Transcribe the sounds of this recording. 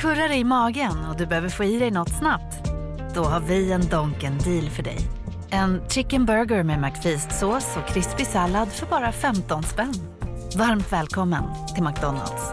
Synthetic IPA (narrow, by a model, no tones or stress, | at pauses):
kʰɵɾaɾɛjɪmɑːɡənɔd̪ɵbɛhøːvəɾfoːiːd̪ɛjnɔt̪ːsnap̚t̪ | d̪̥ɔɦaɾvɪɛnd̪ɔŋkənd̪iːlfœɖɛ̰j | ɛnt̪ʰɾɪkːənbœɾɡəɾmɛmakfiːst̪soːsɔkʰɾɪspɪsalːad̪fœɾbɑːɾafɛmt̪ɔnspɛnː | vaɾmt̪vɛːlkʰɔmːən | t̪ʰɪlmak̚d̪ɔnːa̰ld̪s